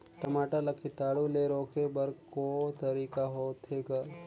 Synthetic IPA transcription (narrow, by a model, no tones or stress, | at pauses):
ʈ̪ɐmaːʈalɐkʰːit̪aːɽuleɾoːkebɐɾkot̪ɐɾiːkaɦoːt̪ʰeːɡa